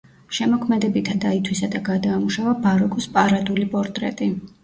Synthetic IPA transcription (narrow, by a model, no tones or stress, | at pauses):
ʃɛmɔkʰmɛd̪ɛbit̪ʰad̪ait̪ʰwisad̪aɡad̪aːmuʃavabaɾɔkʼɔspʼaɾad̪ulipʼɔɾt̪ʼɾɛ̰t̪ʼi